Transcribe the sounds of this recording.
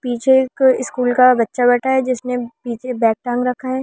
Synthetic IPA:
piːt͡ʃʰekɪskuːlkabɐtːʃabɐʈʰaɦɛd͡ʒɪsnepiːt͡ʃʰebɛːk̚ʈãːŋɡɾɐkʰaɦɛː

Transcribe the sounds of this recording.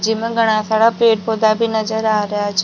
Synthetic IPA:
d͡ʒimãɡʱəɽ̃ãsaɽapɾeʈ̚pod̪abʱinəd͡ʒəɾaɾəjat͡ʃʰ

